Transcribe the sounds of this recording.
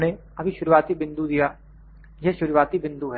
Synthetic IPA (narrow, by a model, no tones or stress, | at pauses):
ne | ɐbʱiʃʊɾuʋaːt̪ibɪ̃nd̪ud̪ijaː | jɛʃʊɾuʋaːt̪ibɪ̃nd̪uɦɛ